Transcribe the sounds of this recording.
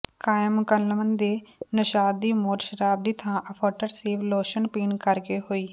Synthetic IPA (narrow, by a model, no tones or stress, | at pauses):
kaːjəmkəlːəmənd̪eːnəʃaːd̪iːmoːɾʃəɾaːb̚d̪iːt̪ʰãːʔəpʰəːʈəɾseːʋloːʃənpiːnkəɾkeːɦoːiː